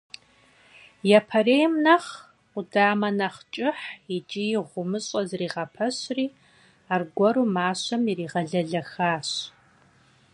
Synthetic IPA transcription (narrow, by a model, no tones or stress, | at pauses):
jɛpʰɐreːjmnɐχʷ | ʊdaːmɐnɐχt͡ʃʼɪħit͡ʃʼijɪʁʷʊmɨɕʼɐzriːʁɐpʰɐɕriː | aːrɡʷɔɾuːmaːɕɐmiriːʁɐɮɐɮɐxaːɕ